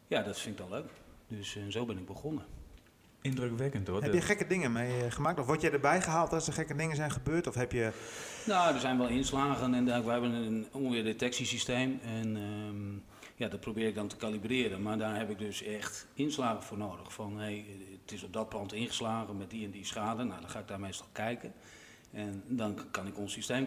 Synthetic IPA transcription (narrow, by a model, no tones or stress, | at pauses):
jadɔtfɪŋɪk̚dɔnløːkdøsnzoːbɪnɪɡ̚bəχonə | ɪndrøkʋɛkəntoɦɛpjəχɛkədɪŋənmejχəmaːk̚tɔfʋɔtjɛjdəbɛjχəɦaːlˠtɔsəχɛkədɪŋənzɛjnχəbøːrtɔfɦɛpjənoːdərzɛjnʋɛlˠɪnslaːɣənɛndɛkʋɛjɦɛbənənuənʋɪːrdetɛksisisteːmɛn | jadɔt̚prowbɪːɪk̚dɔntə̥kalibrɪəɾənmardaːrɦɛpɪk̚døsɛxtɪnslaːɣənfoːrnoːdəxfɔnɦejtɪsɔp̚dɔt̚plɑntɪnχəslaːɣənmɛt̚diɛndisχaːdənːawdɔnxaːɪɡ̚daːrmejstɔlˠkʰɛjkən | ɛndɔnkɑnɪkonsisteːm